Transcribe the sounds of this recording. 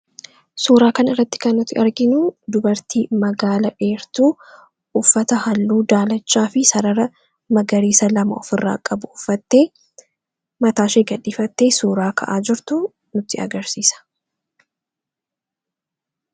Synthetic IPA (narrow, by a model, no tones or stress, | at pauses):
suːɾaːkɐnɪrːɐt̪ːɪ̥kɐnːʊt̪ːɪɐɾɡɪnud̪ʊbɐɾt̪iːmɐɡaːlɐʔeːɾt̪uː | fːɐt̪ɐhɐlːuːd̪aːlɐt͡ʃːaːfɪsɐɾɐɾɐ | mɐɡɐɾiːsɐlɐmɐɔ̰fɪrːa̰ːkʼɐbʊʊfːɐt̪ːe̞ː | mɐt̪aːʃeːɡɐᶑiːfɐt̪ːe̞ːsuːɾaːkʰɐ̰ʔaːd͡ʒɪɾt̪ʊ | nʊt̪ːɪɐ̰ɡɐɾsiːsɐ̥